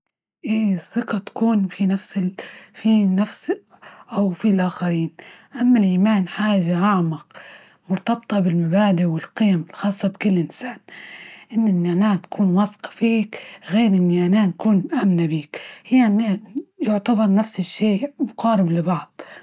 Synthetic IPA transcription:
ʔeːsːɪqɑt̪ḁkuːnfinafsɪfinafs | ʔawfilʔaːxaɾiːnʔamːalʔiːmaːnħaːʒaʔaʕmɑq | mʊɾt̪ɑb̚t̪ˤɑbɪlmabaːd̪ɪʔwɪlqɪjamɪlxɑːsˤːɑbkʊlːʔɪnsaːnʔɪnːɪnːʔanaːt̪ḁkʰuːnwɑsqɑ̥fiːkɣeːɾʔɪnːiʔanaːnkuːnʔamnabiːkhɪjːanajʊʕt̪abɑɾˤnafsɪʃːeːmʊqɑːɾɪblɪbɑʕd̪̥ˤ

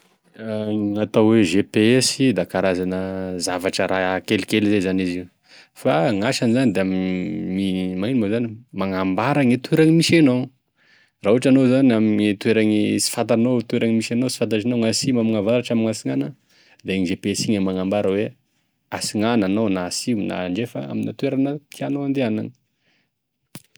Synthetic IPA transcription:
ŋat̪awweʒepeesid̪akaɾazanəzavaʈ͡ʂəɾaakelikelizezaniziu | faŋaʃanizanid̪eamimimainimozanimaŋambaɾaŋit̪ueɾaŋimisenow | raɦuaʈ͡ʂanozaniaminit̪ueɾaŋisi̥fat̪anot̪uweɾaŋimisenowsi̥fant̪̬aʈ͡ʂinoŋasimamaŋavaɾaʈ͡ʂaminŋasiŋanə | d̪aeɲizepesiɲamaŋambaɾəwe | asiŋananonasina̰ɳɖ͡ʐefa̰a̰minat̪ueɾanət̪ianoand̪eanani̥

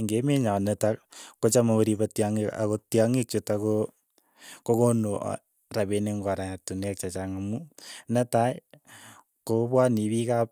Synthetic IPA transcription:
ŋɡemeɲanɛtakkot͡ʃamaoɾibatjaŋika̰kotjaŋik̚t͡ʃotako | kokonoʔ | rabeneŋɡaɾaɲatunɛk̚t͡ʃat͡ʃaŋamunɛtaj | kopwanibikap̚

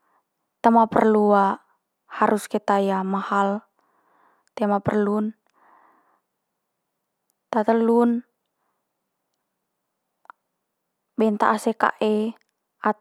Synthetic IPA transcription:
t̪əmapə̰rlua | haɾʔuskɛt̪ajamahal | t̪ɛmapərlun | t̪at̪əlun | bɛnt̪aʔːsɛka̰ʔɛ | a

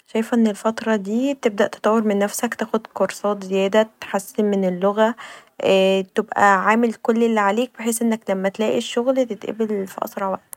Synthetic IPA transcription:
ʃæjfæʔenːelfɑt̪ɾˤɑd̪iːt̪eb̚d̪æʔt̪e̥t̪ˤɑwːeɾmenːæfsækt̪æːxod̪koɾˤsˤɑːt̪zejæːd̪æt̪ħasːenmenelːoɣæ | t̪ebʔæ̰ʕaːmelkolːelːiʕaleːk̚beħeːsʔenːæklæmːæt̪læːʔiʃːoɣlt̪et̪ʔæ̰belfiʔɑ̰sˤɾˤɑʕwæ̰ʔt̪

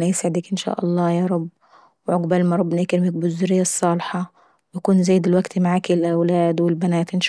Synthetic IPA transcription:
næjesʕɪd̪ikʔɪnʃa̰ːʔɑ̰lˤːɑːjɑːɾˤɑbː | wɪʕoɡbælmɑɾˤɑbːnakɪɾmɪk̚bʊzːʊɾɪjːæsˤːɑːlħɑ | wjakuːnzæjːd̪ɪlwæɡt̪maʕaːkɪlʔæwlæːd̪wɪlbænæːt̪ʔɪnʃ

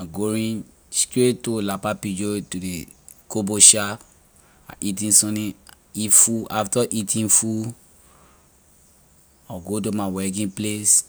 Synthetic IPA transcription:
aɡoɹĩn | skɹetolapapid͡ʒotudekoboʃa | a̰ʔitĩnsɔ̃nĩ | ifuaftɔʔitʰĩnfu | ɔɡot̬omawɛk̬ĩnples

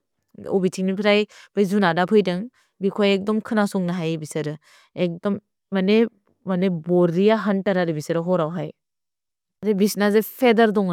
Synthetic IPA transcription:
o̰bitʰiŋnipʰiɾajb̥ɯjzunadapʰɯjdɐŋ | bikʰojek̚dɔmkʰɯnasuŋnaɦajbisɐɾɯ | ek̚dɔmː | ɐne | mɐnebɔɾijaɦɐntaɾaɾɯbisɐɾɯɦɔɾawɦaj | adebisnazɯpʰedɐɾdɔŋ

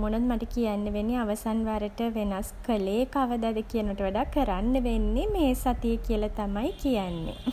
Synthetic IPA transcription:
monɐd̪maʈəkijanːəʋeniaʋəsanʋaɾəʈəʋenaskəleːkaʋəd̪ad̪əkijənəʋɐʈəʋaɖakːəɾanːəʋenːemeːsat̪ijəkijəlɐt̪amajkijanːḛ

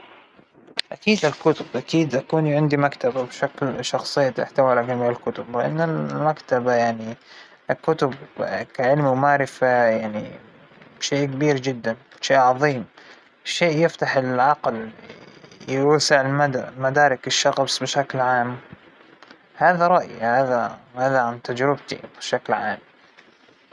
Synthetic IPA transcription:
ʔakiːd̪ɪlkʊt̪ʊbʔakiːd̪ʔakuːnʕɪnd̪imakt̪ababʃaklʃɑxsˤɨjːat̪ʔɪ̰ħt̪awalaɡamiːlɪlkʊt̪ʊblɪʔa̰nːɪlmakt̪abajaʕni | ʔkʊt̪ʊb̚kaʕɪlmimaːɾɪfajaʕni | bʃeːʔkabiːɾd͡ʒɪd̪ːan | ʃeːʔʕɑðˤiːm | ʃeːʔjɪft̪aħɪlʕɑql | jsɪʕɪlmad̪mad̪aːɾɪkɪʃːɑɣbsbɪʃaklʕaːm | haːðaɾˤɑʔjhaːðahaːðaʕamt̪ad͡ʒɾɪb̚t̪ḭbɪʃaklʕaːm

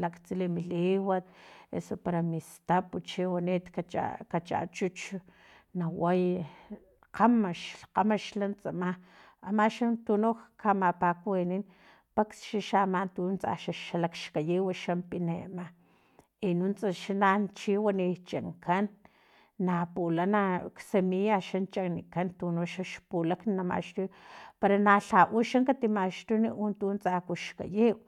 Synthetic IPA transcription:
lakt͡silimiliwat̪̚ḛsopaɾamist̪aput͡ʃiwanit̪kat͡ʃa̰kat͡ʃa̰t͡ʃut͡ʃ | nawaj | qamaʃlqamaʃlant͡sʼama | amaʃant̪unoxkʰamapakwenin | paksʃaʃamant̪unt͡sa̰ʃaʃalakʃkajiwaʃampinḛma | inunt͡saʃanant͡ʃiwanit͡ʃaŋkanː | apulanaksemijaʃant͡ʃaknikant̪unoʃaʃpulaknnama̰ʃt̪ujpaɾanaɬaʔuʃaŋkat̪imaʃt̪uniʔunt̪unt͡sakuʃka̰jiw

